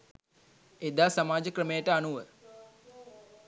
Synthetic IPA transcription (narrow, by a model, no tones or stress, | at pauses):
ed̪aːsamaːd͡ʒəkɾəmejəʈəanuʋə